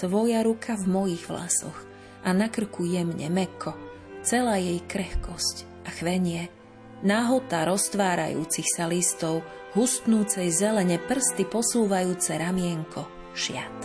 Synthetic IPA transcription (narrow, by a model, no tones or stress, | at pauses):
t̪ʋɔjaɾukʰavmɔjiɣʋla̰sɔ̰x | ʔanakr̩kujɛmɲɛ̰mɛkʰɔ | t͡sɛlaːjɛjkɾɛxkɔsc | ʔaxʋɛɲɪɛ | naːɦɔt̪aɾɔst̪ʋaːɾa̰jṵːt͡sixsalist̪ɔʊ | ɦust̪nuːt͡sɛjzɛlɛɲɛpr̩st̪ipɔsuːʋajuːt͡sɛɾamɪɛŋkʰɔ | ʃɪa̰t̪